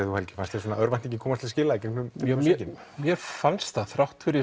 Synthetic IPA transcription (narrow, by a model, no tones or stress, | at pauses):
θuhɛlcɪ̥fanst̪ʰɛɾs̬ɔnaœɾvajnt̪ɛcɪkʰɔːmast̪lɪscɪːlaɛcɛŋknʏmsɛcɪn | mjɛfanst̪θaθɾawht̪fɪɾɪ